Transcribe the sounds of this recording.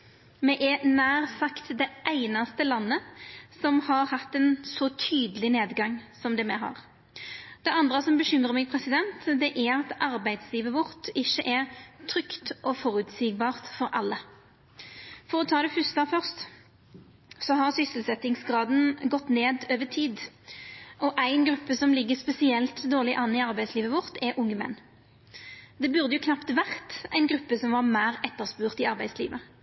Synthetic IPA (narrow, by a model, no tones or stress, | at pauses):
mɛʔɛnæːʁsɑkt̪d̪ɛʔæɪnɑst̪əlɑnːəsɔmhɑɾhɑt̪ːɛnsɔt̪ʰyːd̪əlɪneːd̪ɡɑŋːsɔmd̪ɛmɛɦɑ̰ːʁ | d̪̥ɛɑnd̪ʁəsɔmbəɕʏmɾəmæɪpʰɾɛsɪd̪ɛnt̪d̪ɛʔæʁɾɑt̪ɑɾbæɪd̪sliːʋəʋʊɾt̪ɪʃːəʔæʁt̪ʰɾʏkt̪ʔɔfɔɾʉt̪siːɡ̚bɑːʁt̪fɔɾʔɑlːə | fɔʁɔt̪ʰɑːd̪ɛfʉst̪ɑfœʁst̪ | sɔɦɑʁsʏsəl̩sɛt̪ɪŋsɡʁɑːd̪n̩ɡɔt̪ːneːd̪øːʋət̪ʰiːd̪ | ɔʔæɪnɡɾʉpːəsɔmlɪɡːəspɛsɪɛlt̪d̪oːʁlɪʔɑnːɪɑʁbæɪd̪sliːʋəʋɔʁt̪ɛɾʔʊŋːəmɛ̰nː | d̪ɛbʉʁd̪əjʊkʰnɑpt̪ʋæʁt̪æ̰ɪnɡʁʉpːəsɔmʋɑːʁmæɪʁɛt̪ːəʁspʉːʁt̪ɪɑʁbæɪslḭːʋə